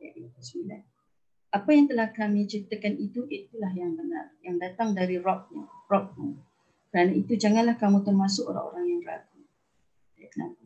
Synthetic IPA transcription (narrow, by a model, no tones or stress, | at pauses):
jaʔat̪əsəmila̰n | ʔapajaŋt̪əlahkamĩt͡ʃəɾit̪əkanit̪uʔit̪ulahjaŋbəna̰rjaŋdat̪aŋdaɾirɔp̚ɲarɔk̚mu | kəɾanait̪ud͡ʒaŋãnlahkamũt̪ərmasʊko̰ɾa̰ŋo̰ɾaŋjaŋra̰ɡu | akəna̰a